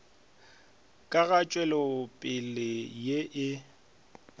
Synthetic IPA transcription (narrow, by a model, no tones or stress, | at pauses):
kʼaɣat͡ʃʼwɛlɔpʼɪlɪjeʔɪ